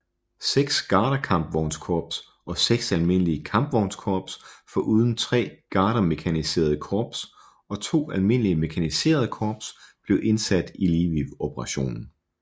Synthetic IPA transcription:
seɡ̥sɡ̥ɑ̈ːɾɐkʰɑ̈mb̥ʋɒʊnskʰɒːb̥s | ɒ̽seɡ̥sælme̝n̰əliəkʰɑ̈mb̥ʋɒʊnskʰɒːb̥sfɒ̽ʔuːð̞ˠn̩t͡sʰʁɛ̰ːɡ̥ɑ̈ːɾɐme̝kʰænise̝̰ːɐð̞̩ˠkʰɒːb̥s | ɒ̽t͡sʰo̝̰ːælme̝n̰liəme̝kʰænise̝̰ːɐð̞ˠəkʰɒːb̥sb̥le̝ʊʔe̝nsæd̥iliːʋiʋopʰəʁɑ̈ɕo̝̰ːnn̩

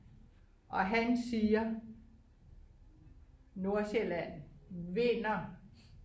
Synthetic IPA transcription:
ʔɒ̽ɦænsiːɐ | no̝ɐselæn̰ʋe̝nɐ

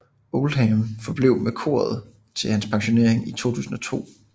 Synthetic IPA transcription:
olɦamfɒ̽b̥leʊ̰mekʰo̝̰ːɐð̞̩ˠ | t͡sʰe̝lhænspʰɑ̈ŋɕo̝ne̝ɐ̰eŋit͡sʰo̝̰ːt͡sʰṵːsn̩ɒ̽t͡sʰo̝̰ː

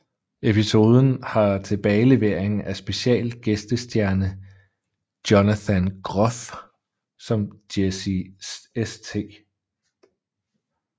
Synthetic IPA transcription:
e̝pʰiso̝ːð̞ˠn̩hɑ̈t͡sʰe̝b̥ɛːɪle̝ʋe̝ɐ̰e̝ŋ̩ʔæsb̥e̝ɕiɛ̰ːl̥ɡ̥esd̥əsd̥jæɐnə | d̥jonæθænɡ̥ʁɒ̽f | sɒ̽md̥esiest͡sʰe̝̰ː

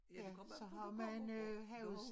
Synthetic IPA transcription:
jæsɒ̽ɦɑ̈mænøɦɛʊð̩ˠs

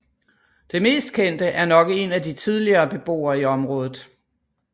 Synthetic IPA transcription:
d̥e̝me̝̰ːsd̥kʰen̰d̥əʔæɐnɒ̽ɡ̥əe̝næd̥it͡sʰið̞ˠliɐːb̥e̝b̥o̝̰ːɐiɒ̽mʁɔ̽ːð̞ˠð̩ˠ

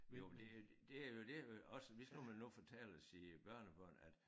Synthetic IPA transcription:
jomd̥e̝jo̥d̥e̝æjo̝d̥e̝æɒ̽səʋisɡ̥umænːufɒt͡sʰɛ̰ːlsiːb̥ɶɐ̰nəb̥ɶɐ̰næd̥

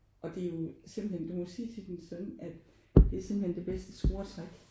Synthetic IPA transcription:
ʔɒ̽d̥e̝jo̝se̝m̰b̥l̩hend̥umɒsiːt͡sʰe̝d̥ensɒd̥n̩æd̥ | d̥e̝æɐse̝mb̥lhend̥e̝b̥esd̥əsɡ̥o̝ːɐt͡sʰʁaɡ̥

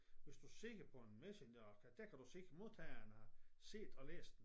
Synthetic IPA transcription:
ʋe̝sd̥use̝ɡ̥ɐpʰɒ̽enmesenɐkʰæd̥ækʰæd̥use̝ɡ̥mo̝ðˠt͡sʰɛɪɐnəhɑ̈se̝̰ːd̥ɒlḛːsd̥

